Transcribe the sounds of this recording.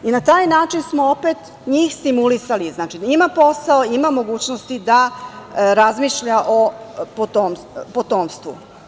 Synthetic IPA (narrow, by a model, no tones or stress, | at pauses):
inat̪aːjnaːt͡ʃinsmoopet̪ | ɲiːxst̪imulisaliznaːt͡ʃiimapo̞saoimamo̞ɡuːt͡ɕnost̪id̪a | ɾazmiʃʎaʔopot̪om | pot̪oːmst̪vʋṵ